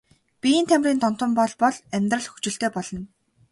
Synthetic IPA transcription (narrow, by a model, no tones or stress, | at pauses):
pʲint̪ʰæmʲrʲiːnt̪ɔn̥t̪ə̆mpɔɮpɔɮæmʲt̪rə̆ɮxu̥t͡ɕɪ̆ɬt̪eːpɔɮɞ̆n